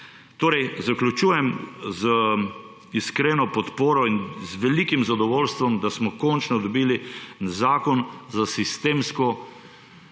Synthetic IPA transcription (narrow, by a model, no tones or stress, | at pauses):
t̪oːɾɛjzaklʲut͡ʃuːjɛmzə | iskɾeːnɔpɔt̪poːɾɔinzʋɛlikimzad̪ɔʋoːlst̪ʋɔmd̪asmɔkɔnt͡ʃnɔd̪ɔbiːlizaːkɔnzasist̪eːmskɔ